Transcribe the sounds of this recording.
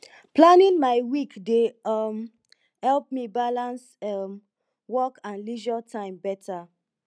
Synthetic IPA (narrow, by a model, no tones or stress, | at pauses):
planĩnmaɪwikdem | hɛlp̚mibalãns | m | wɔkãnliʒatʰãɪ̃mbɛtʰa